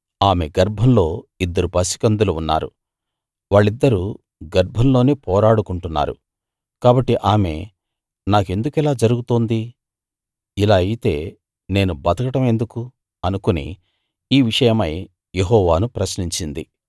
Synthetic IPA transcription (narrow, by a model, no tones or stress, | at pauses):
aːme̞ɡɐɾbʱɐmlo̞ːid̪ːɐɾupɐsi̥kɐnd̪uluunːa̰ːɾṵ | ʋaːɭːid̪ːɐɾu | ɡɐɾbʱɐmlo̞ːneːpɔːɾaːɽukuɳʈunːa̰ːɾṵ | kaːbɐʈːiʔaːme̞̰ | naːke̞nd̪ukɛlaːd͡ʒɐɾuɡut̪oːnd̪i | ilaːɐjit̪e̞ː | ne̞ːnubɐt̪ɐkɐʈɐme̞nd̪uku | ɐnukunḭ | iːʋiʂɐjɐmɐj | jeɦɔːʋaːnupɾɐsniɲt͡ʃind̪ḭ